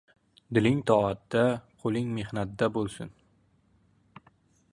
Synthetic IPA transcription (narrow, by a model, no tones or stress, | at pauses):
d̪ɪlɪŋt̪ʰɒat̪ːd̪aqʰolˠɪŋme̞hnat̪d̪abolˠsʊ̰n